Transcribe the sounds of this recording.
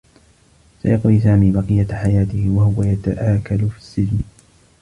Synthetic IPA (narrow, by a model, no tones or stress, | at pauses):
sa̰jɑqwiːsaːmiːbɑqɨjːaħajaːt̪ɪhɪwahʊwajat̪aʔaːkalʊfi̥sːɪd͡ʒn